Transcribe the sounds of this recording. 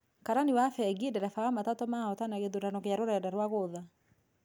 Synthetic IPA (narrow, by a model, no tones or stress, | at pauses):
kaɾaniwafɛɡiedɛɾɛfawamatatɔmaɔtanaɣeðoɾanɔkeaɾoɾɛdaɾwaɣoða